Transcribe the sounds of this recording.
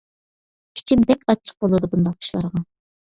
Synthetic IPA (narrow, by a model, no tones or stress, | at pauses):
kʲʰi̥t͡ʃʰinbɛkʲɑt͡ʃʰːə̥q̚bolˠɨd̪ubund̪ɑqi̥ʃlˠɑɾəʁɑ